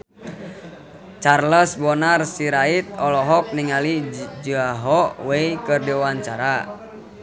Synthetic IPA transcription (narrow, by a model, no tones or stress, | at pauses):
t͡ʃarləsbɔnarsiɾait̪̚ɔlɔɦɔk̚niŋalid͡ʒuaɦɔwɛikərdiwaɲt͡ʃaɾa